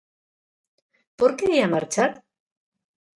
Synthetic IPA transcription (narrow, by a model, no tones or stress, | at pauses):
poɾkejamaɾt͡ʃat̪